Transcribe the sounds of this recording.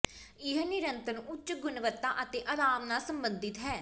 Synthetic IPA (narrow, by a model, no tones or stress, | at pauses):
ɪɦnɪɾənt̪ənʊt͡ʃt͡ʃɡʊnʋət̪ːaːʔət̪ẽːʔəɾaːmnaːsəmbə̃nd̪ɪt̪ɦɛː